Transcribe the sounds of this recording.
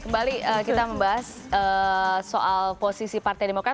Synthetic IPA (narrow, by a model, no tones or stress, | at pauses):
kəmbaliəkit̪aməmbaɦas | əːsoʔalposisipart̪ajdemokɾa